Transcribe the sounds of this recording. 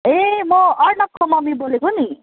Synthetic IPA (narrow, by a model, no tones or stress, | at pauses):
emʌʌɾnʌkʰːomʌmibolekoni